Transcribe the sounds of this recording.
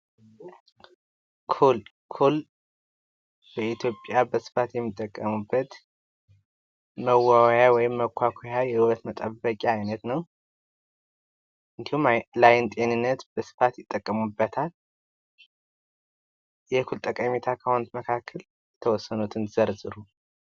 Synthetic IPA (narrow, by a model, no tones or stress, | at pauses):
kʰul | kʰul | bəit̪ʰjo̞pʼjabəsɨ̥fat̪jɛmːit̪ʼːəkʼːəmubːət̪ | məwːawjawɔjɪmːəkʰʷːakʷʰojajɛhɨwət̪mət̪ʼəbːəkʼaːjnət̪nəw | ʔɨnd̪ihumlajɪnt̪ʼe̞nɨnːət̪b̥əsɨ̥fat̪jɪt̪ʼːəkʼːəmubːət̪ʰal | jɛkʰult̪ʼəkʼəmit̪ʰakʰəhont̪məkʰakʰːəl | jɛt̪ʰəwɔsːənut̪ʰɨnzəɾzɨɾu